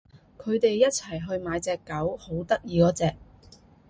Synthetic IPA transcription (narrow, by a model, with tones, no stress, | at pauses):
kʰɵ˨˧ɥt̪e˨jːɐ˥t̚t͡sʰɐ˨˩jɦɵ˧ɥmaː˨˧˥jt͡sɛː˧kːɐ˨˥who˨˥wt̪ɐ˥k̚jiː˧kɔː˨˥t͡sɛː˧k̚